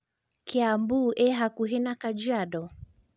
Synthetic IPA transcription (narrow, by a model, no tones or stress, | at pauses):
keambuʔɛɦakuɦɛnakad͡ʒaɗɔ